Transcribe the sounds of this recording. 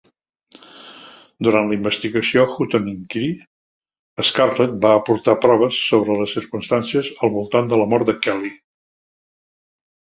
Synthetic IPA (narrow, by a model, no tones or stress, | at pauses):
d̪uɾant̪ləimbəst̪iɣəsioxut̪oniŋkɾi | əskarlet̪̚baəːpuɾt̪apɾɔβ̞əsːoβɾələsiɾkunst̪ansiəzəlˠβulˠt̪and̪ələmɔɾt̪d̪əkɛli